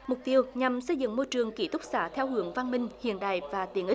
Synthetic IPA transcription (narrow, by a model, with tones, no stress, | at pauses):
mʊ˨˩k͡p̚t̪i˧əwɲa˨˩msə˧jzɨ̰˧˨ŋmo˧jt͡ɕɨ˨˩əŋki˧˦t̪ʊ˦˥k͡p̚saː˧˦t̪ʰɛ˧whɨ˧˦əŋva˧nmï˧ŋ̟hḭ˧˨ənɗa̰ː˧˨jvaː˨˩t̪i˨˦ənʔi˦˥